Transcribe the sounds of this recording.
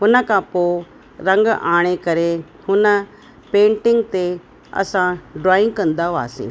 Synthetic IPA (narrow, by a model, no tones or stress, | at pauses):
ɦʊnə̆kʰãːpoː | ɾɐ̃ŋɡaːɽ̃ekɐɾe | hʊnə̆ | pẽːɳʈɪ̃ŋɡt̪e | ɐ̰sãɖɾaːɪ̃ŋɡkɐ̃nd̪aːoa̰ːsḭ̃ː